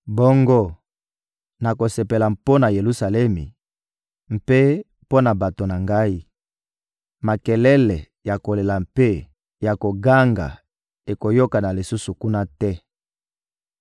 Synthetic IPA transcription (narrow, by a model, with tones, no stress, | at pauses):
bo˦ŋɡo˦ | na˨ko˨se˨pe˨la˨mpo˦na˨je˨lu˦sa˨lɛ˦mi˨ | m̩˨pe˦ | po˦na˨ba˨to˨na˨ŋɡa˦i˦ | ma˨kɛ˨lɛ˦lɛ˨ | ja˨ko˨le˨la˨mpe˦ | ja˨ko˨ɡa˦ŋɡa̰˨ | e˨ko˨jo˦ka˨na˨li˨su˦su˨ku˦na˦tɛ˦